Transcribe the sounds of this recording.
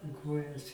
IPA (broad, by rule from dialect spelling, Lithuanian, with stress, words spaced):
ɪ ˈkoːjɛs